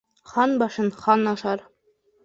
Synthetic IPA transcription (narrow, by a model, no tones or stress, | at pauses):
χɑnbɑʃɤ̆nχɑnɑʃɑɾ